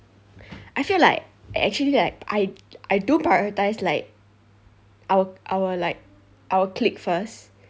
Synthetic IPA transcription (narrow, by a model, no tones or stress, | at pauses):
ʔaɪfilaɪk̚aɪʔɛ̰k̚t͡ʃuəlilaɪk̚ʔa̰ɪʔaɪdunpɹajɔɹətaɪslaɪk̚ | ʔawəʔaʊwəlaɪk̚ | ʔawəkʰlik̚fəst